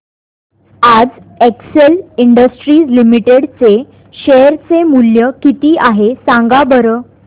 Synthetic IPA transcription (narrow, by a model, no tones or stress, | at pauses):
ad͡z | ekseliɳɖəsʈɾiːslimiʈeɽt͡se | ɕejɾt͡semuljəkit̪iːʔaɦesãŋɡabəɾəː